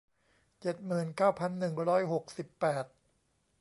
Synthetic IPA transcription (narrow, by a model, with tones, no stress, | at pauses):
t͡ɕe˨˩t̪̚mɯː˨˩nkaː˥˩wpʰa˧˩nːɯ˨˩ŋɾɔː˦˥jɦo˨˩k̚si˨˩pːɛː˨˩t̪̚